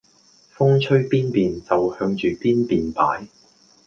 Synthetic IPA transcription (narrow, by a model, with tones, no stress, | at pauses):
fʊ˥ŋt͡ʃʰɵ˥ɥpiː˥npiː˨nt͡sɐ˨whœː˧ŋt͡ʃyː˨piː˥npiː˨npa̰ː˨˥j